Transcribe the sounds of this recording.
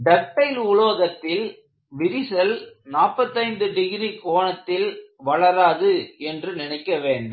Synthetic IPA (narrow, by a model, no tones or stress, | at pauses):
ɖɐʈːɐɪlʊɭoːɣɐt̪ːɪl | ʋɪɾɪsɐlnaːpːɐt̪ːɐɪnd̪ɯɖɪɣɪɾikoːɳɐt̪ːɪlʋɐɭɐɾaːðɯɛndrɯnɪnɐɪkːɐʋeːɳɖɯ